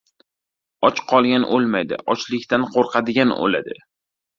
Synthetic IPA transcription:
ɒt͡ʃqʰɒlˠɡʲanʔolˠmajd̪ɪ̰ʔɒt͡ʃlɪkʲt̪anqʰoɾqʰɑd̪ɪɡʲano̰la̰d̪ɪ̰

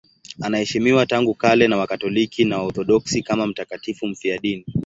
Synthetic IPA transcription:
anahɛʃimiwataŋɡukalɛnawakatɔlikʰinawaɔθɔɗɔksikamam̩takatifum̩fiaɗini

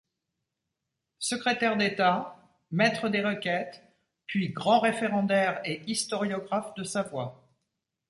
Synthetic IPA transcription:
səkχet̪ɛʁd̪et̪a | mɛt̪χəd̪eʁəkʲɛt̪ | pɥiɡʁɑ̃ʁefeʁɑ̃d̪ɛʁeist̪ɔʁjɔɡʁafd̪əsavwa

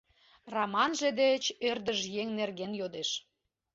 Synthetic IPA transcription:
rɑmɑnʒĕd̪et͡ɕørd̪əʒjeŋnerɣenjod̪eʃ

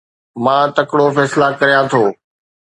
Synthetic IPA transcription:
mãːt̪ɐkɽofɛːsɪlakɐɾijãt̪ʰoː

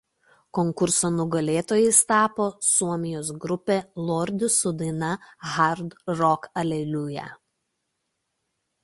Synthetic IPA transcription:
kɔŋkʊɾsoːnʊɡɐlʲeːt̪oːjɛɪst̪ɑːpoːsuɔmʲɪjoːsɡɾʊpʲeːlˠoːɾʲd̪ʲʊsʊd̪ɐnɐɣɐɾd̪ɾɔkɐlʲɛlʲuːjɛ̰

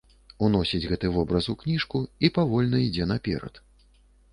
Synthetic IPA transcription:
unɔsʲid͡zʲɣɛt̪ɨvɔbɾɐsuknʲiʂkuipavɔlʲnɐid͡zʲɛnɐpʲɛ̰ɾɐ̰t̪

